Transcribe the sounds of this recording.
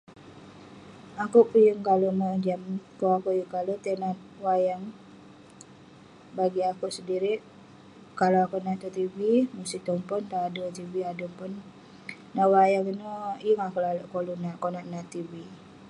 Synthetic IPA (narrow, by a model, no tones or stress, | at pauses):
akuʔpujəŋkaloʔmod͡ʒamkoakoʔjəŋkalot̪enat̪̚ | wajaŋ | baɡiakuʔsədiɾɪʔ | kalaakoʔnat̪ut̪ivimusit̪ɔŋpʊnt̪aːdot̪ibiaduŋpʊnː | aʔwajaŋinɔjəŋakoʔlaloʔkolunaʔkonaʔnat̪ivi